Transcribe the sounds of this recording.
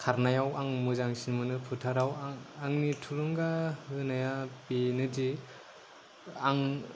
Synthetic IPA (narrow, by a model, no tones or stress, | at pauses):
kʰaɾnajawaŋmuzaŋsinmɯnɯpʰɯtʰaɾawaŋnitʰuɾuŋɡahɯnajapinɯdi | aŋ